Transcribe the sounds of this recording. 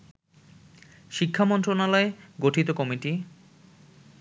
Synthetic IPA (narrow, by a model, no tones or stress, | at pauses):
ʃikʰːamɔnt̪ɾonalɔeɡoʈʰit̪okɔmiʈi